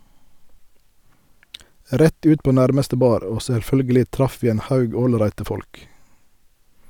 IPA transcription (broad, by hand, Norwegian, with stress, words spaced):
ˈɾɛt ˈʉːt ˈpoː ˈnæʁməstə ˈbɑːɾ ˈoː sɛlˈfœlɡəlɪ ˈtɾɑf ˈʋiː ˈeːn ˈhɑʉɡ ˈoːlˌɾæɪtə ˈfɔlk